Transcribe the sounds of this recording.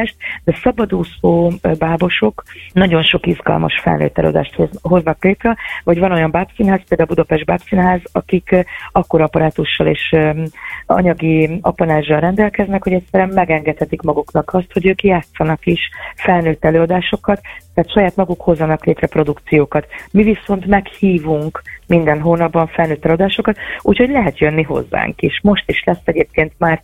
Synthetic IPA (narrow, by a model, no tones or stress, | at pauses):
ʃt̪d̪ɛsɒbɒd̪uːsoːbaːbo̞ʃo̞knɒɟo̞nʃo̞kizɡɒ̰lmɒ̰ʃfɛ̰lnø̰ːt̪ːɛ̰lø̰ːɒ̰d̪a̰ːʃt̪hoɦo̞znɒkleːt̪rɛvɒɟvɒno̞jɒmbaːbsinɦaːspeld̪aːlbud̪ɒpɛʒd̪̚baːpsinɦaːzɒkikɒkːo̞ɾɒpɒɾaːt̪uʃːɒleːʃ | ɒ̰ɲɒɡiɒ̰pɒnaːʒːɒnrɛnd̪ɛlkɛznɛkho̞ɟɛcsɛɾyɛmːɛɡɛŋɡɛt̪hɛt̪ikmɒɡuknɒkʰɒst̪ho̞ɟøːkjaːt̪sːɒnɒkiʃfɛlnøːt̪ːɛløːɒd̪aːʃo̞kɒt̪ːaːt̪ʃɒjaːt̪mɒɡukho̞zːɒnɒkleːt̪ɾɛpɾro̞d̪ukt̪sijoːkɒt̪miviso̞nt̪mɛkhiːvuŋkmind̪ɛnɦoːnɒbːɒɱfɛlnøːt̪ːɛlø̟ɒd̪aːʃo̞kɒt̪ṵːchoɟʲlɛɦɛt̪jønːiɦo̞̰zːa̰ːŋkiʃmo̞ʃt̪iʃlɛsːɛɟeːp̚keːnt̪maːr